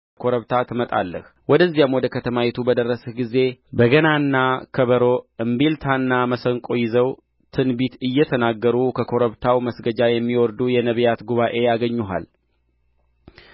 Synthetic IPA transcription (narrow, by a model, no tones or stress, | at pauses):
kʰo̞ɾəβt̪ʰat̪ʰɨmət̪ʼa̰lːə̰h | wɔd̪əzːijamwɔd̪əkʰət̪ʰəmajɛt̪ʰubəd̪ərːəsəɡize̞bəɡənanːakʰəβəɾoʔɨmbilt̪ʰanːaməsəŋkʼojɪzəw | t̪ʰɨnbit̪ɨjːɛt̪ʰənaɡːəɾukʰəkʰo̞ɾəβt̪ʰawməsɡəd͡ʒajɛmːiwɔɾd̪ujɛnəβjat̪ɡuβaʔe̞jaɡəɲːuɦa̰l